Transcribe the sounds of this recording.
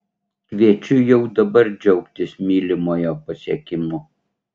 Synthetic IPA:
ʃʲʋʲiɛt͡ʃʲʊjɛʊd̪ɐbɐɾd͡ʒʲɛʊkt̪ʲɪsmʲiːlʲɪmoːjoːpɐsʲiɛkʲɪmʊ

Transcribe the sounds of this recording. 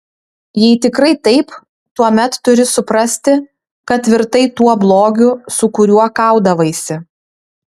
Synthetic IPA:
jɛɪt̪ʲɪkɾɐɪt̪ɐɪp | t̪uɔmʲɛt̪ːʊɾʲɪsʊpɾɐsʲt̪ʲɪ | kɐt̪ʲʋʲɪɾt̪ɐɪt̪uɔblˠoːɡʲʊsʊkʊɾʲuɔkɐˑʊd̪ɐʋɐɪsʲɪ

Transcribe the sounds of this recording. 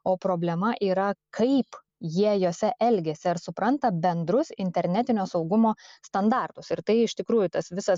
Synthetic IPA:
oːpɾoːbʲlʲɛmɐʔiːɾɐkʰɐɪp | jiɛjoːsʲɛʔɛlʲɡʲɛsʲɪɐɾsʊpɾɐnt̪ɐbʲɛnd̪ɾʊsɪnʲt̪ʲɛɾʲnʲɛt̪ʲɪnʲoːsɒʊɡʊmoːst̪ɐnd̪ɑːˑrt̪ʊsɪɾt̪ɐɪɪʃt̪ʲɪkɾuːjʊt̪ɐsʋʲɪsɐs

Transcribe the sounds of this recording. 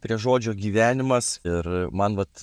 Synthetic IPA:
pʲɾʲiɛʒoːd͡ʒʲoːɡʲiːʋʲæːnʲɪmɐsɪrmɐnʋɐt̪

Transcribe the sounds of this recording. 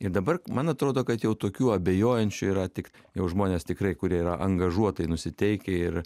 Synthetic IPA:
ɪɾd̪ɐbɐrmɐnɐt̪ɾoːd̪oːkɐt̪jɛʊt̪oːkʲuːɐbʲeːjoːjɛnʲt͡ʃʲʊiːɾɐt̪ʲɪk | jɛʊʒmoːnʲeːst̪ʲɪkɾɐɪkʊɾʲiɛiɾɐʔɐŋɡɐʒuɔt̪ɐɪnʊsʲɪt̪ʲɛɪkʲɛɪr

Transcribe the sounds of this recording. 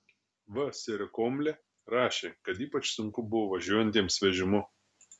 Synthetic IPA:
ʋɐsʲɛɾʲɪkoːmʲlʲɛ | ɾɑːʃʲeːkɐt̪iːpɐt͡ʃsʊŋkʊbʊʋoːʋɐʒʲuɔjɛnʲt̪ʲiːmsʋʲɛʒʲɪmʊ

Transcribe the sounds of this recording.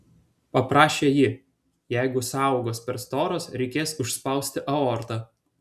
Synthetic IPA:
pɐpɾɑːʃʲeːjɪ | jæˑɪɡʊsɑˑʊɡoːspʲɛɾst̪oːɾoːsɾʲɛɪkʲeːsʊʃʲspɐˑʊsʲt̪ʲɪʔɐoːɾt̪ɑː

